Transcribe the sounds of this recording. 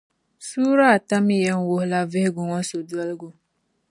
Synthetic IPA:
su˦ɾa˦a˨ta˦mi˦je˦ŋ˦wo˨hla˦ve˦ɡu˨ŋʷɔ˦so˨du˦a˦lɡu˨

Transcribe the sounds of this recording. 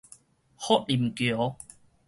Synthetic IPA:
hɔ˦˥t̚i˨˩mkjo˨˦

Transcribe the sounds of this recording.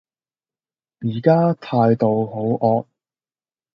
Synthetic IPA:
jiː˨˩kaː˥t̪ʰaː˧jt̪o˨˧wɦo˨˥wʔɔː˧k̚

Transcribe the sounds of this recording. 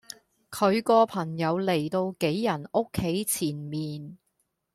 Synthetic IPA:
kʰɵ˨˧ɥkɔː˧pʰɐ˨˩ŋjɐ˨˧wle˨˩jt̪o˧wke˨˥jːɐ˨˩no˥kʰːe˨˥jt͡sʰiː˨˩nmiː˨n

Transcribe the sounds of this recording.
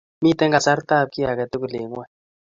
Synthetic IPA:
mi˦˨t̪ɛ˦ŋɡa˨sa˦ɾt̪a˦˨p̚ki˦a˨ka˨t̪e˦ku˨le˨˦ŋ˦wɛ˦

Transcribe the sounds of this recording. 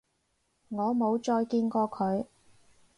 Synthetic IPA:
ŋɔː˨˧mo˨˧wt͡ʃɔː˧jkiː˧nkɔː˧kʰɵ˨˧ɥ

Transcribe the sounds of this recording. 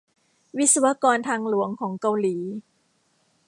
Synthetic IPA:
wi˦˥t̪̚sa˧wa˧˥kɔː˧nt̪ʰaː˧ŋlu˨˩˦əŋkʰɔː˩˦ŋka˧wliː˩˦

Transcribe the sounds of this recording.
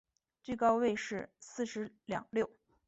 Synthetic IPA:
t͡ɕi˥˩kɑ˥ʊwe˥˧ɪʂɻ̩˥˧sɹ̩˥˩ʂɻ̩˧˥ljɑ̰˨˩ŋljo˥˩ʊ

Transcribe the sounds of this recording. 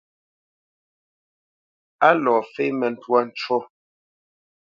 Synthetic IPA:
a˦lɔː˨fe˦mɛ˨n̩˨twa˦n̩˦t͡ʃwɔ˦

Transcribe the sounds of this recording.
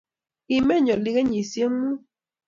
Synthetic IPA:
i˨mɛ˦˨ɲɔ˨li˦ɣe˦ɲi˨sje˦ŋu˦

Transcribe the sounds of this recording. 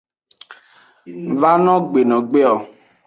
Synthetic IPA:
va˦nɔ̃˦ɡ͡be˨nɔ̃˨ɡ͡be˦ɔ˨

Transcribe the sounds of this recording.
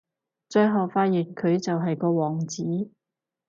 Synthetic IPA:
t͡ʃɵ˧ɦɐ˨wfaː˧˥t̚jyː˨˩nkʰɵ˨˧ɥt͡sɐ˨wɦɐ˨jkɔː˧wɔː˨˩ŋt͡siː˨˥

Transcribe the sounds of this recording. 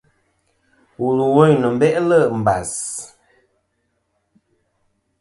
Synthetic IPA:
wu˨lu˨wo˦˨ɲnə˨m̩˦bɛ˦ʔlə˦˨m̩˨ba˨s

